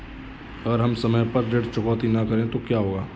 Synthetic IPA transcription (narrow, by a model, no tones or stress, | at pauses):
ɐɡəɾɦɐmsɐməjpɐɾɖeːɖt͡ʃʊkɔːt̪inɐkɐɾẽt̪okjaːɦoːɡaː